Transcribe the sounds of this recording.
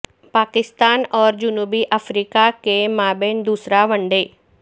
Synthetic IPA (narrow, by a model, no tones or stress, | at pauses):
paːkɪst̪aːnɔːɾd͡ʒʊnuːbiʔəfɾiːkakemaːbeːnd̪uːsɾaʋə̃ɳɖeː